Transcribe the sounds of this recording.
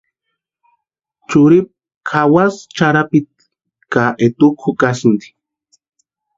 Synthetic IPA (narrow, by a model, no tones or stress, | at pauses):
t͡ʃuɾip̚ | kʰawast͡ʃaɾapit̪̚ | kaʔet̪ukʰukasund̪i̥